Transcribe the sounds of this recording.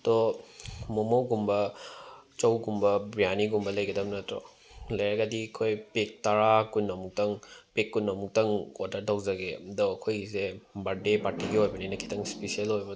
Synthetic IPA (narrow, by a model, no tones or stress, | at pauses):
t̪ɔ | momowɡumbɐ | t͡ʃɐwɡumbɐbɾijaniɡumbɐlɐjɡɐdɐmnɐtɾɔ̰ | lɐjɾɐɡɐdikʰojpek̚tɐɾakunːɐmuk̚tɐŋpekːunːɐmuk̚tɐŋodɐɾtawzɐɡedɔɐkʰojsebaɾdepaɾtiɡiojbɐninɐkʰi̥tɐŋspesialojbɐ